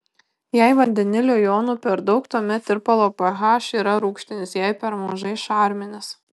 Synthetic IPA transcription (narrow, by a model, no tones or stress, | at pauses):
jæɪʋɐnʲd̪ʲɛnʲɪlʲɛjɔːnuːpʲɛɾd̪ɒʊkt̪uːmʲɛt̪ɪɾpɐlˠoːpɐɣɑːʃiːɾɐɾuːkʃʲt̪ʲɪnʲɪsjæɪpʲɛɾmɐʒɐɪʃɑɾʲmʲɪnʲɪs